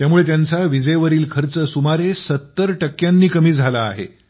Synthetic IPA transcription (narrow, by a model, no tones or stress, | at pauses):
t̪jamuɭet̪̬jant͡saʋid͡zəjʋəɾiːlkʰəɾt͡səsumaɾesət̪ːəɾʈəkjanːiːkəmiːd͡zʱalaːɦḛ